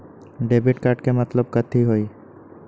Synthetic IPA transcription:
ɖeːbɪʈkaːɾʈkemət̪ləb̚kət̪ʰiɦoi

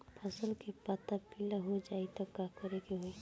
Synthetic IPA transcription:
pʰəsəlkepat̪apilaɦod͡ʒaːit̪ɔkakəɾeɡeɦoi

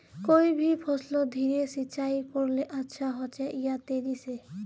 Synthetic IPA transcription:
kojbʱipʰɔslɔd̪ʱiɾesit͡ʃajpɔɾleʔatːʃʰaɦɔt͡ʃɛʔijat̪eɾise

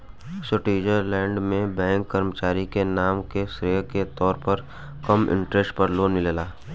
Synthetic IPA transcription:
soʈiːd͡ʒəɾlɛ̃ːɳɖmẽbɛ̃ːŋkːɐɾmət͡ʃaːɾikenaːmkesɾeːket̪ɔːɾpəɾ | kɐmʔɪ̰̃ɳʈɾesʈ̚pəɾloːnmɪlelaː

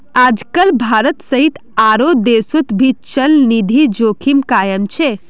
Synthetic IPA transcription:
ad͡ʒkəlbʱaɾət̪səɦit̪aɾod̪esut̪bʱit͡ʃəlnid̪ʱid͡ʒokʰimkajəmt͡ʃʰe

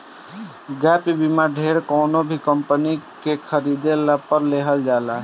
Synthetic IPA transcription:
ɡɛpibimaɖʱeːɾkoːnobʱikəmpənikekʰəɾid̪elapəɾleːɦəld͡ʒaːla

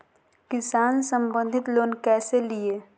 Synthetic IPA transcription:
kɪsaːnsə̃mbə̃nd̪ʱɪt̪loːnkɛːselieː

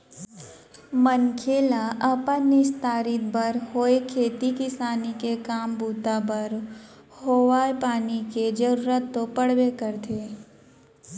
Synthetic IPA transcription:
mənkʰeːlaʔɐpənːɪʃt̪aːɾɪt̪̚bəɾɦoːekʰeːt̪ikɪsaːnikekaːmbuːt̪abəɾ | hoːʋaːepaːniked͡ʒəɾuːɾət̪ːopəɽ̤wekəɾt̪ʰeː

